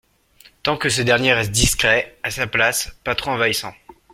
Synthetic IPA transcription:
t̪ɑ̃kəs̬ed̪ɛʁnjeʁɛst̪̚d̪iskχɛasaplaspat̪χɔ̃vaisɑ̃

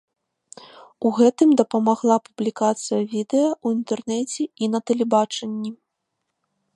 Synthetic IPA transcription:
uɣɛt̪ɨmd̪ɐpɐmaɣlˠapublʲikat̪sɨjɐvʲid̪ɛjɐuint̪ɛrnɛt͡sʲɛinɐt̪ɛlʲɛbat͡ʂɐnʲːi

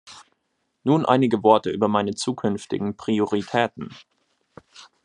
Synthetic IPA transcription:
nuːnʔa̰ɪnɪɡəvɔɐtəʔyːbɐmaɪnət͡suːkʰʏnftɪ̰ɡŋ̩pʁ̥ioʁitʰɛːtn̩

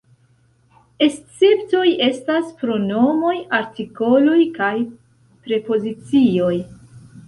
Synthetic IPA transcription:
est͡septo̞je̞staspɾo̞no̞mo̞jaɾtiko̞lo̞jkaj | pɾe̞po̞zit͡sio̞j

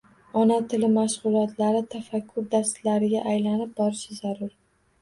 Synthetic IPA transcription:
ɒnat̪ʰɪlɪmaʃʁʊlˠɒt̪ʰlaɾɪt̪ʰafakʲʰːʊɾd̪ast̪laɾɪɡʲaʔajlanɪp̚bɒɾɪʃɪzaɾʊɾ

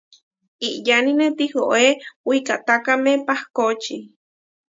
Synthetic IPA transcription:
iʔjaninet̪ihoʔewikat̪akamepahkot͡ʃi

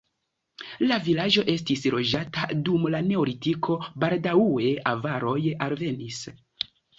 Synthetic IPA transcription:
lavilad͡ʒo̞ʔe̞stisɾo̞d͡ʒatadumlane̞olitikʰo̞baldaue̞ʔavaɾo̞jalve̞nis

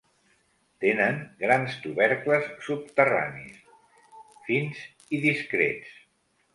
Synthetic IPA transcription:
t̪enəŋɡɾanst̪uβɛɾkləsːup̚t̪əra̰nḭs | finz | iðiskɾḛt͡s

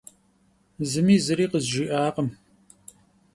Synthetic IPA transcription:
zɨmiːzɨɾiːqəzʒɪʔaːqəm

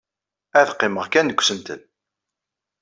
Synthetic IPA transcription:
æðqːɪməʁkænəkʷːsənt̪ə̰n

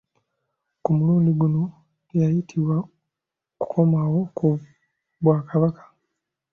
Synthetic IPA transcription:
kumuluːndiɡuno | jajitʰiβwa | ku̥kʰo̞maːwo̞ku | βwaːkaβakḁ

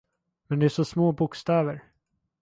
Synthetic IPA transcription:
mɛnd̪ɛæʂɔsmoːbʊkst̪ɛːvəɾ

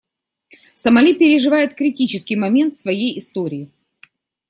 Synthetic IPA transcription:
səmɐlʲipʲɪɾʲɪʐɨvajʊt̪̚kɾʲɪtʲit͡ɕɪskʲɪjmɐmʲent̪svɐjejɪst̪o̞ɾʲɪː

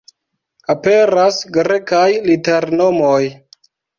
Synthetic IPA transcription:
ape̞ɾasɡɾe̞kajlite̞ɾno̞moj

